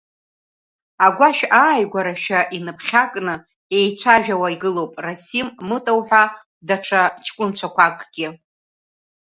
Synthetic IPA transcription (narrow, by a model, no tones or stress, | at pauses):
aɡʷaʃᶣaːjɡʷaɾaʃᶣaʔinɨpʰχʲakʼnɨ | e̞jt͡ɕʷʰaʒᶣawaiɡɨlo̞wpʼrasimːɨtʼowħʷᶣa | daʈ͡ʂʰat͡ʃʰkʷʼʊnt͡ɕʷʰakʷʰakʼɡ̥ʲɪ